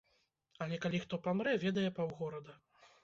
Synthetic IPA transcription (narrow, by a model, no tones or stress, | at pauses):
ɐlʲɛkalʲixt̪ɔpamɾɛvʲɛd̪ɐjɛpawɣɔɾɐd̪ɐ